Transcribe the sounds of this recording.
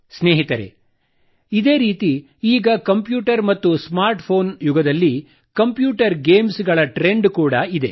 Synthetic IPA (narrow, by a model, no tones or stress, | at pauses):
sneːɦit̪ɐɾḛ | id̪e̞ːɾiːt̪i | iːɡɐkɐmpjuːʈɐɾmɐt̪ːusmaːɾʈpʰo̞ːnjuɡɐd̪ɐlːi | kɐmpjuːʈɐɾɡe̞ːmsɡɐɭɐʈɾe̞ɳɖkuːɽɐid̪e